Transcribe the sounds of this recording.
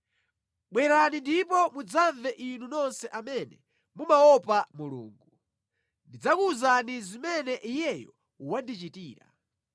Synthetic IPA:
ɓwɛɾanindipɔmud͡zaɱvɛʔinunɔnsɛʔamɛnɛ | mumaɔpamulṵːŋɡu | ndid͡zakuzanizimɛnɛʔijɛjɔ | uwandit͡ʃitiːɾa̰

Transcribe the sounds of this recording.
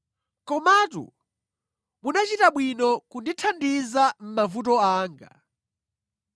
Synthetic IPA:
kɔmatṵ | munat͡ʃitaɓwinɔkunditʰandizam̩mavutɔaːŋɡa

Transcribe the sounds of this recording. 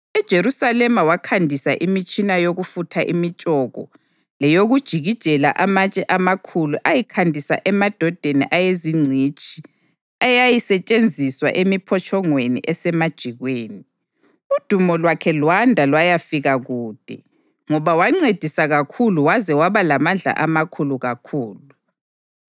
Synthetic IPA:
ɛd̥ʒ̥ʱeɾusalɛmawakʰandʱisaʔimit͡ʃʼinajoɣufutʰaʔimit͡ʃʼɔɣɔ̰ | lɛjoɣud̥ʒ̥ʱiɣid̥ʒ̥ʱɛlaʔamat͡ʃʼɛʔamakʰuluʔajikʰandʱisa̰ʔɛmad̥ʱɔd̥ʱenḭʔajeziŋ͡ǀʱit͡ʃʼi | ajajisɛt͡ʃʼend͡zʱiswa̰ʔemipʰɔt͡ʃʼʰɔŋwenḭʔɛsɛmad̥ʒ̥ʱiɣweːni | ud̥ʱumɔlwakʰɛlwandʱalwajafiɣaɣuːd̥ʱɛ | ŋɔβawaŋ͡ǀed̥ʱisaɣakʰuluwazɛwaβalamand͡ɮʱa̰ʔamakʰuluɣakʰuːlu

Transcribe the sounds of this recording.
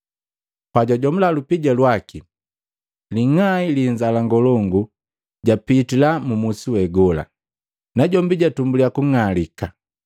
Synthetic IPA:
paɟaɟɔmulalupiɟalwaki | liŋailiɲd͡ʒalaŋɡɔlɔŋɡu | ɟapitilamumusiwɛɡɔla̰ | naɟɔmbiɟatumbulijakuŋalika

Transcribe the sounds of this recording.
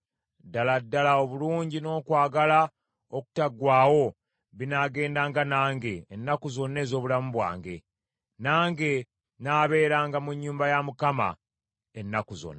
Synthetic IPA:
dːaladːalao̞βuluːɲɟino̞ːkwaːɡala | oku̥taɡwaːwo̞ | βinaɡe̞ːndaːŋɡanaːŋɡe̞ːnːakuzo̞nːe̞ːzo̞ːβulamuβwa̰ːŋɡe̞ | naːŋɡe̞ | naːβe̞ːɾaːŋɡamuɲːuːmbajamukama̰ | enːakuzo̰nːa

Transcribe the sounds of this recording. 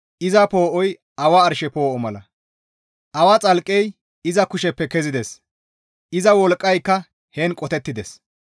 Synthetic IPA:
ʔɪzɐpo̞ːʔɔj | ʔɐwɐːɾʃɛpo̞ːʔɔmɐlɐ | ʔɐwɐt͡sʼɐlkʼːɛj | ɪzɐkʊʃɛpːɛkɛzɪd̪ɛs | ʔɪzɐwɔlkʼːɐjkːɐ | hɛnkʼɔt̪ɛt̪ːɪd̪ɛs

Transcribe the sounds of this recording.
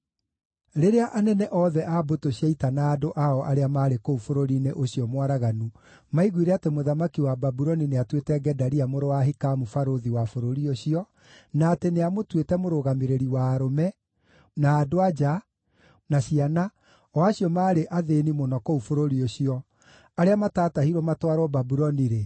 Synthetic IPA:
ɾeɾeaʔanɛnɛʔɔðɛʔabotoɕiaitanaːdoʔaɔʔaɾeamaːɾekoufoɾoɾineʔoɕiɔmwaɾaɣanu | maiɣwiɾeatemoðamakiwababuɾɔnineatwetɛɡɛdaɾiamoɾowaɦikamufaɾoðiwafoɾoɾioɕiɔ | naːteneamotwetɛmoɾoɣameɾeɾiwaːɾomɛ | naːdoad͡ʒa | naɕiana | ɔaɕiɔmaːɾeʔaðenimonɔkoufoɾoɾioɕiɔ | aɾeamataːtahiɾwɔmatwaɾwɔbabuɾɔniɾe

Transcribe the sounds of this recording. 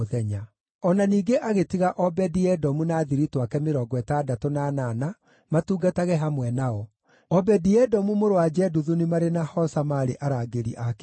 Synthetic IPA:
ðɛɲa | ɔnaniːɡeʔaɣetiɣaʔɔbɛdiɛdɔmunaːðiɾitwakɛmeɾɔɡwɛtadatonanana | matuːɡataɣɛɦamwɛnaɔ | ɔbɛdiɛdɔmumoɾowad͡ʒɛduðunimaɾenahɔsamaːɾeʔaɾaɡeɾḭʔakɛ

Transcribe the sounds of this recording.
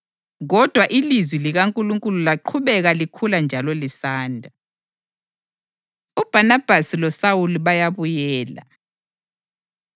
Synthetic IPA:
ɣɔd̥ʱwaʔilizwiliɣaŋkʼuluŋkʼululaǃʰuβɛɣalikʰuland͡ʒʱalɔlisaːndʱa | ub̥ʱanab̥ʱasilɔsawuliβajaβujɛːla̰

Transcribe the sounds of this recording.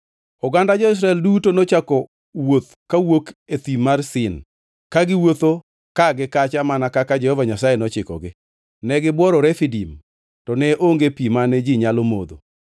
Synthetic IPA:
ɔɡandad͡ʒɔɪs̬ɾaɛldutonot͡ʃakɔ | wot̪ | kawoket̪imarsɪn | kaɡɪwot̪o | kaɡɪkat͡ʃamanakakad͡ʒɛhɔvaɲasajenɔt͡ʃɪkɔ̰ɡɪ | nɛɡɪbwɔɾɔɾɛfidim | tɔnɛʔoŋɡepimanɛd͡ʒiɲalomo̰d̪o̰

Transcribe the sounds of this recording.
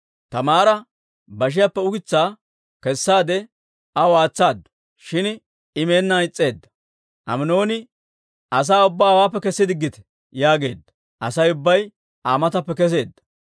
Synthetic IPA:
t̪ɐmaːɾɐ | bɐʃ̬ɪjapːɛʊkɪt͡sːaː | kɛsːaːd̪ɛ | ɐwaːt͡sːaːd̪ɐ̥ | ʃɪn | ɪmeːnːaɪt͡sʼːe̞ːd̪ːɐ̥ | ʔɐ̰mɪno̞ːnɪ | ʔɐs̬aːʊbːaːwaːpːɛkɛsːɪd̪ɪɡːɪt̪ɛ̥ | jaːɡe̞ːd̪ːɐ̥ | ʔɐsɐjʊbːɐj | aːmɐt̪ɐpːɛkɛs̬e̞ːd̪ːɐ̥

